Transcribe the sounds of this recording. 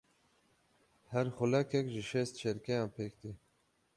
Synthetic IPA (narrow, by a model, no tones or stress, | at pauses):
hæɾxʊlɛkʰɛkʒɪʃɛst̪t͡ʃɛɾkɛjɑ̃ːnpʰeːkd̪i